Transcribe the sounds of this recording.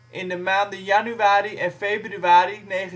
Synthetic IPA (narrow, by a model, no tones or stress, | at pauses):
ʔɪndəmaːndəjanyʋaːɾiʔɛnfejbryaːɾinejχə